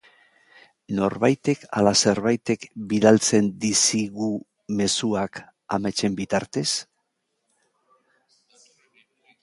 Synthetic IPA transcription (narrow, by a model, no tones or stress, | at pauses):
no̞ɾβajt̪e̞ka̰lase̞ɾβajt̪e̞kbiðalt͡se̞nd̪isiɣu | me̞suak | a̰mat͡ʃe̞mbit̪aɾt̪e̞s